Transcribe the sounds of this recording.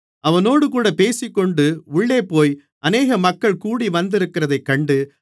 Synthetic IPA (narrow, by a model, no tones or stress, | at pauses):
ɐʋɐnoːɽɯkuːɽɐpeːsɪkːɔɳɖɯʊɭːeːpoːj | ʔɐneːɣɐmɐkːɐɭkuːɽiʋɐnd̪ɪɾɯkːɪɾɐðɐɪkːɐɳɖɯ